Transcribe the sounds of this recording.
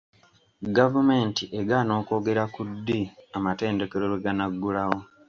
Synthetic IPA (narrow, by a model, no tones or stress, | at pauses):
ɡavume̞ːntiʔeɡano̞ːko̞ːɡe̞ɾakudːiamate̞ːnde̞ke̞ɾo̞ɾweɡanaɡːulaɣo